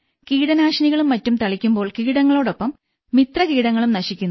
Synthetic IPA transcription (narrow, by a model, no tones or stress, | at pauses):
kiːɽɐnaːʂɐniɣɐɭumːɐtːumt̪ɐɭikʲːumbo̞ːɭkiːɽɐŋːɐɭo̞ːɽo̞pːɐmː | it̪rɐkiːɽɐŋːɐɭumnɐɕikʲːunː